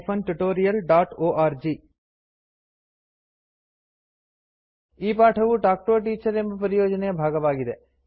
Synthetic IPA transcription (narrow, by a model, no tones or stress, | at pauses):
pʰɐnʈuʈoːɾijɐlɖaːʈoːʔaːɾd͡ʒiː | iːpaːʈʰɐʋuʈaːk̚ʈoːʈiːt͡ʃɐɾembɐpɐɾijoːd͡ʒɐnejɐbʱaːɡɐʋaːɡid̪e